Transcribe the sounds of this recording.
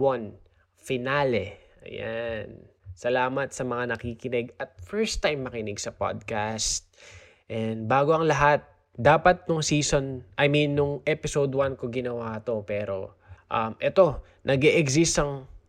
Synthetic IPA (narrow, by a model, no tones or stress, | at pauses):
wan | fɪnalɛʔɐ̰ja̰nsɐlaːmɐt̪sɐmɐŋanɐkiːkɪnɛɡɐt̪̚fɛɹst̪ːajmːɐkɪnɪɡsɐpa̰d̪̚kast̪̚ | ʔɛnd̪baːɡoɐŋlɐɦat̪̚ | d̪aːpɐt̪̚nʊŋsiːso̞nʔɐjminːʊŋʔɛpɪsowd̪wanko̞ɡɪnɐwaːt̪o̞pɛːɾo̞ | ʔɐmʔɛt̪o̞ | nʔɐɡɛʔɛɡsist̪ɐŋ